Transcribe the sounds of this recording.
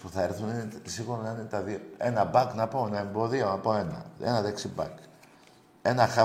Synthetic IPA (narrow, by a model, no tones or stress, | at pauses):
puθɐeɾθuninesiɣuɾonɐinet̪ɐðioe̞nɐbɐknɐpo̞enɐe̞mbo̞ðio̞nɐpo̞e̞nɐ̰ḛnɐðeksibɐ̰k | e̞nɐxɐ